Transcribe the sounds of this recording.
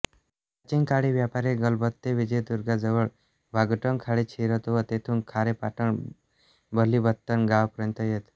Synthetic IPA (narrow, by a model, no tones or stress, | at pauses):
pat͡ʃiŋkaɽiʋjapaɾeɡʌlbət̪ːeʋid͡ʒejt̪uɾɡad͡zəʋəɭ | bʱaɡəʈəŋkʰaɽet͡ʃʰiɾət̪uʋət̪et̪ʰuŋkʰaɽepaʈəɳ | bəlːibət̪ːənɡawpəɾjənt̪əjet̪